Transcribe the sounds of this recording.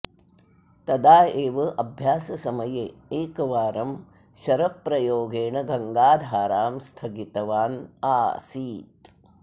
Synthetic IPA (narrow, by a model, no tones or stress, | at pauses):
t̪ɐd̪aːeːʋɐʔɐbʱjaːsɐsɐmɐjeeːkɐʋaːɾɐm | ʃɐɾɐpɾɐjoːɡeːɳɐɡɐŋɡaːd̪ʱaːɾaːmst̪ʰɐɡit̪ɐʋaːnaːsiːt̪